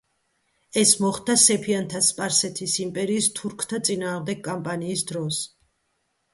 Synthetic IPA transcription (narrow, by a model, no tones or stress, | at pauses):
ɛsmɔχd̪asɛpʰiant̪ʰaspʼaɾsɛt̪ʰisimpʼɛɾiːst̪ʰuɾkʰt̪ʰat̪sʼinaːʁmd̪ɛɡ̚kʼampʼaniːsd̪ɾɔs